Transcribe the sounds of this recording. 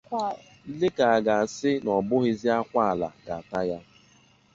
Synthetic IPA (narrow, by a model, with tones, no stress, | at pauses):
lɪ˦ka˨a˨ɡa˨sɪ˦nɔ˨bʊ˦ɣɪ˦zi˦a˦kʷa˦a˨la̰˨ɡa˨a˨ta˦ja˦